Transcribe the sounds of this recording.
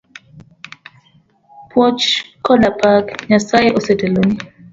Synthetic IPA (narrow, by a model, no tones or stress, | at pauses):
pʰwɔt͡ʃkɔdapʰakɲasajeʔosɛteloni